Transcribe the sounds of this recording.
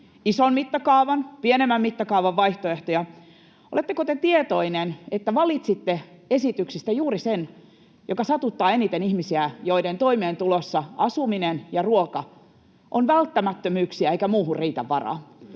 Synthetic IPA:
isonmit̪ːɑkɑuʋɑnpienemːæmmit̪ːɑkɑuʋɑʋːɑiht̪oeht̪ojɑ | olet̪ːekot̪et̪iet̪oinenet̪ːæʋɑlit̪sit̪ːeesit̪yksist̪æjuːɾisen | jʔokɑsɑt̪ut̪ːɑːenit̪enihmisiæjoident̪o̞imeːnt̪ulosːɑɑsuminenjɑruokɑ | ʔonʋælt̪ːæmæt̪ːømyːksiæeikæmuːhurriːt̪æ̰ʋːɑrɑ̰ː

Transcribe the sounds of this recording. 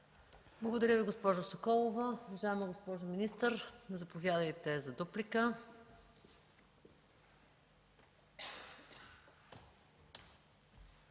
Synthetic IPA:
blˠɐɡod̪ɐɾʲəviɡospɔʒosokɔlˠovɐuvɐʒaɛmɐɡospɔʒominist̪əɾnɐzɐpovʲjad̪əjt̪ɛzɐd̪uplikə

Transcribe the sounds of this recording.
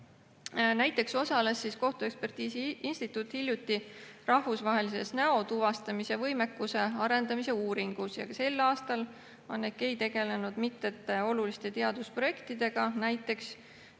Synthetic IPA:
næjt̪ˑːe̞kso̞sɑle̞sːisko̞ht̪ue̞kspe̞rt̪iːsiinsʲt̪it̪ːˑut̪ːhilʲjut̪ːˑirɑhvusvɑɦe̞lise̞̰snæo̞t̪uvɑst̪ɑmise̞vɤjme̞kːuse̞ɑɾe̞nd̪̥ɑmise̞uːɾiŋɡ̥usjɑ̰kɑse̞lːɑːst̪ɑl | onːekːe̞jt̪e̞ɡ̥e̞le̞nud̪̥mit̪ːˑet̪ːˑeo̞lulist̪e̞t̪e̞ɑd̪̥uspro̞je̞kt̪id̪̥e̞ɡ̥ɑnæjt̪ːˑe̞ks

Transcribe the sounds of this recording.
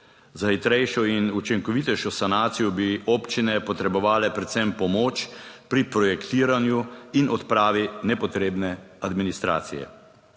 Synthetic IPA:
zaxit̪ɾɛjʃɔinut͡ʃiŋkɔʋit̪ɛjʃɔsanaːt̪sijɔbioːpt͡ʃinɛpɔt̪ɾɛbɔʋaːlɛpɾɛt̪sɛmpɔmoːt͡ʃpɾipɾɔjɛkt̪iːɾanjuinɔt̪pɾaːʋinɛpɔt̪ɾeːbnɛad̪minist̪ɾa̰ːt̪sḭjɛ̰

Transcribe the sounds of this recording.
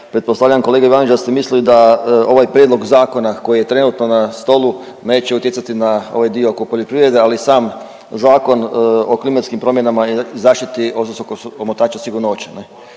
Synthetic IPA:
pɾet̪̚posaʋʎaamko̞leɡaiʋanid͡ʒd̪ast̪emisliid̪ao̞ʋajpɾjed̪lo̞ɡzaːko̞nako̞jijet̪ɾe̞nut̪nonast̪o̞lu | ne̞ːt͡ʃeut̪jesat̪inao̞̰ʋajd̪iookopoʎopɾiʋɾe̞d̪e̞alisaːm | zaːko̞noklimat̪skimpɾo̞mjenamaizaːʃt̪it̪iososokoomot̪aːt͡ʃasiɡuɾnoːt͡ɕene

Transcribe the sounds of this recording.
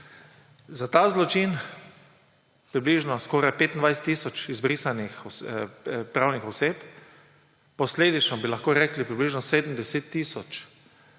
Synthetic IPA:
zat̪aːzlɔt͡ʃin | pɾibliʒnɔskɔɾajpeːt̪ind̪vajs̬ɛ̥t̪ːiːsɔt͡ʃizbɾisanixɔ | pɾawnixɔseːp̪ | pɔsleːd̪it͡ʃnɔbilaxkoːɾɛːklipɾibliʒnɔseːd̪m̩d̪ɛseːt̪ːiːsɔt͡ʃ

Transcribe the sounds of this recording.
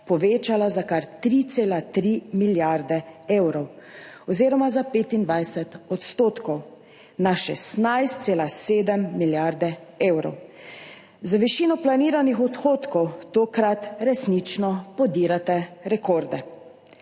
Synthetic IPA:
pɔʋeːt͡ʃalazakaɾt̪ɾit̪seːlat̪ɾimiljaɾd̪ɛeːwɾɔwɔziːɾɔmazapeːt̪ind̪ʋajsɛt̪ɔt̪st̪oːt̪kɔw | naʃɛst̪najst̪̚seːlaseːd̪ɛmːiljaɾd̪ɛewɾɔ̰w | zaʋiʃiːnɔplaniːɾanixɔt̪xoːt̪kɔwt̪oːkɾat̪ɾɛsnit͡ʃnɔpɔd̪iːɾat̪ɛɾɛkoːɾd̪ɛ

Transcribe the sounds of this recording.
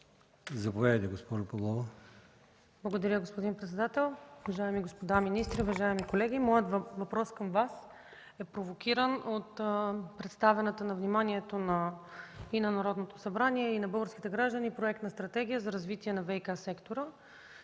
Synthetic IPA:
zɐpovɛd̪ət̪ɛɡospɔʒʊpɐlˠɔvo | blˠɐɡod̪ɐɾʲəɡospod̪inpɾɛt̪sɛd̪at̪ɛlˠuvɐʒaɛmiɡospod̪aminist̪ɾiuvɐʒaɛmikolɛɡ̟ʲimɔjət̪vɐpɾɔskəmvas | ɛpɾovokʲiɾənot̪pɾɛt̪st̪avɛnət̪ənɐvnimaniɛt̪onɐ | inɐnɐɾɔd̪not̪osɐbɾaniɛinɐbɤlˠɡəɾskʲit̪ɛɡɾaʒd̪ənipɾoɛk̚t̪nɐst̪ɾɐt̪ɛɡ̟ʲijəzɐɾɐzvit̪iɛnɐvɛjkasɛkt̪oɾə

